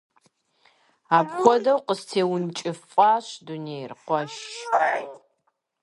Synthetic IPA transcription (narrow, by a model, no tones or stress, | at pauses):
aːpχʷɔdɐwqəstʰeːwʊnt͡ʃʼɪfʼaːɕduneːjrqʷɔʃ